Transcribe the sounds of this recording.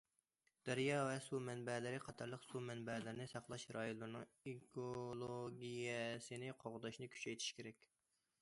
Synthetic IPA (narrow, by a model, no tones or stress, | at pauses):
d̪̥æɾjɑːvɛsumɛnbɛlɪɾɪqʰɑt̪ʰɑɾlˠəqsumɛnbɛlɪɾnɪsɑqlˠɑʃɾɑjolˠːɨɾnɨŋ | ikolˠoɡʲijɛsɨnɪqʰoʁd̪ɑʃnɨkʲʰy̥t͡ʃɛjt̪ʰi̥ʃkʲʰeɾɛkʲ